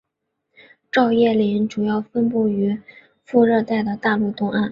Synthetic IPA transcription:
ʈ͡ʂɑ˥˧ʊjɛ˥˩li˧˥nʈ͡ʂu˨˩jɑ˥˩ʊfə˥npu˥˩y˧˥ | fu˥˧ɻɤ˥˧t̪a˥˩ɪd̪ə˩t̪a˥˧lu˥˧t̪ʊ˥ŋa˥˩n

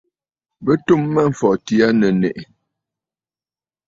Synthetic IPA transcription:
bə˦tu˦mːə˦ɱ̩˨fɔ˨ti˨a˦nə˨nɛ̰˨ʔ

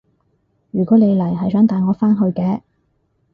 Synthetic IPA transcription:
jyː˨˩kʷɔː˨˥ne˨˧jlɐ˨˩jɦɐ˨jsœː˨˥ŋt̪aː˨˧jŋɔː˨˧faː˥nɦɵ˧ɥkɛː˧˥

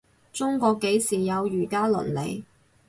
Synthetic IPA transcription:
t͡sʊ˥ŋkɔː˧kːe˨˥jsiː˨˩jɐ˨˧wjyː˨˩kaː˥lɵ̰˨˩nlḛ˨˧j

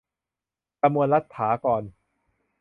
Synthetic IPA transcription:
ka˧mːu˧ənla˦˥t̪ʰːaː˩˦kɔː˨n

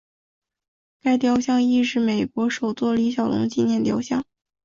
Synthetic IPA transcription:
ka˥˩ɪt̪jɑ˧˥ʊɕjɑ˥˧ŋi˥˧ʂɻ̩˥˩me˨˩ɪkwɔ˧˥ʂo˨˩ʊt͡swɔ˥˩li˧˥ɕjɑ˨˩ʊlʊ̰˧˥ŋt͡ɕi˥˧njɛ˥˩nt̪jɑ˧˥ʊɕjɑ˥˩ŋ

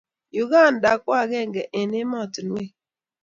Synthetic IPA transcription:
ju˨ɣa˦˨n̩˨da˨kʷa˦˨ɣe˦ŋ̩˨ɡe˨ʔe˨ne˦mɔ˦˨tu˨n˦we˦

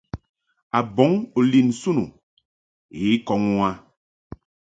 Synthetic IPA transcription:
a˨bɔ˨˦ŋu˨li˨nsu˦nu˨ | i˨˦kɔ˨˦ŋu˦a˦

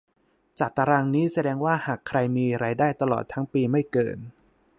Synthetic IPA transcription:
t͡ɕaː˨˩t̪a˧ɾaː˧ŋniː˦˥sa˧dɛː˧ŋwaː˥˩haː˨˩kʰːɾa˧jmiː˧ɾaː˧jdaː˥˩jt̪a˧lɔ̰ː˨˩t̪ʰːa˦˥ŋpiː˧ma˥˩jkɤ̰ː˧n

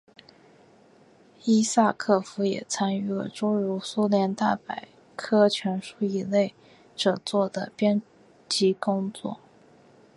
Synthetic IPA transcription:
i˥sa˥˧kʰɤ˥˩fu˧˥jɛ̰˨˩t͡sʰa˥ny˥˩lə̰˨˩ʈ͡ʂo˥ɻu˧˥su˥ljɛ˧˥nt̪a˥˩pa˨˩ɪ | kʰɤ˥t͡ɕʰɥɛ˧˥nʂu˥i˥˩le˥˩ɪ | ʈ͡ʂɤ˨˩t͡swɔ˥˩d̪ə˩pjɛ˥n | t͡ɕi˧˥kʊ˥ŋt͡swɔ̰˥˩

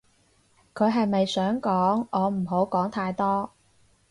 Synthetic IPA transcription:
kʰɵ˨˧ɦɐ˨jmɐ˨jsœː˨˥ŋkɔː˨˥ŋɔː˨˧m̩˨˩ɦo˨˥wkɔː˨˥ŋt̪ʰaː˧jt̪ɔː˥

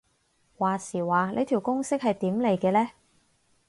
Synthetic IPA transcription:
waː˨˩siː˨˩waː˨lʔe˨˧t̪ʰiː˨˩wkʊ˥ŋsɪ˥k̚hɐ˨jt̪iː˨˥mle˨˩jkɛː˧lɛː˥

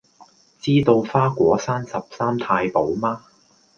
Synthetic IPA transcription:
t͡siː˥t̪o˧wfaː˥kʷɔː˨˥saː˥nsɐ˨p̚saː˥mt̪ʰaː˧jpo˨˥wmaː˥

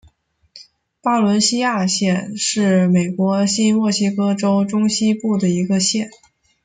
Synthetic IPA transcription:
pa˥lwə˧˥nɕi˥ja˥˧ɕjɛ˥˧nʂɻ̩˥˩me˨˩ɪkwɔ˧˥ɕi˥mwɔ˥˩ɕi˥kɤ˥ʈ͡ʂo˥ʊʈ͡ʂʊ˥ŋɕi˥pu˥˩d̪ə˩i˧˥ɡə˧ɕjɛ˥˩n

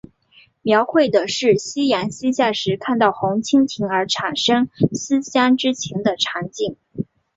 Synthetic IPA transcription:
mjɑ˧˥ʊxwe˥˩ɪd̪ə˩ʂɻ̩˥˩ɕi˥ja˧˥nɕi˥ɕja˥˩ʂɻ̩˧˥kʰa˥˧nt̪ɑ˥˩ʊxʊ˧˥ŋt͡ɕʰi˥ŋt̪ʰi˧˥ŋə˞˧˥ʈ͡ʂʰa˨˩nʂɤ˥ŋs̩˥ɕja˥nʈ͡ʂɻ̩˥t͡ɕʰjɛ˧˥nd̪ə˧ʈ͡ʂʰa˧˥ŋt͡ɕi˥˩ŋ

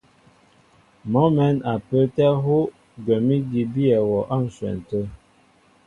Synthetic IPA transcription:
mɔ˨˦mɛ˨˦na˨pə˦tɛ˦ɦo˦ | ɡə˨mi˦di˨bi˦ɛ˨wɔ˨ʔa˦˨n̩˨swɛ̰˨n˨tə˦

